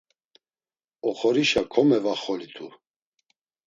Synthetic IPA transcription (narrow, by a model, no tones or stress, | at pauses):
ɔχɔɾiʃakʰɔmɛvaχɔlit̪ʰu